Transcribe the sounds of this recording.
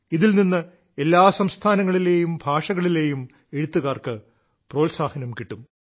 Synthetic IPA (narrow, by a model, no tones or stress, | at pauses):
iðilninːɨ | e̞lːaːsɐmst̪ʰaːnɐŋːɐɭile̞ːjumbʱaːʂɐɣɐɭile̞ːjum | e̞ɻut̪ːuɣaːrkɨ | pro̞ːlsaːhɐnɐmkiʈːum